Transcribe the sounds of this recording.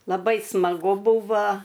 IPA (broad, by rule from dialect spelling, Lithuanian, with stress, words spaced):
lˠɐˈbɐɪ smɐˈɡʊ ˈbʊʋɐ